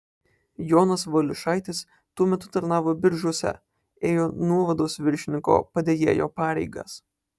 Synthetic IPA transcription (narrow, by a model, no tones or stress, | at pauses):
joːnɐsʋɐlʲʊʃɑˑɪt̪ʲɪs | t̪uɔmʲɛt̪ʊt̪ɐɾnɑːʋoːbʲɪɾʒʊsʲɛ̰ | eːjoːnuɔʋɐd̪oːsʋʲɪɾʲʃʲɪnʲɪŋko̰ːpɐd̪ʲeːjḛːjo̰ːpɑːɾʲɛɪɡɐ̰s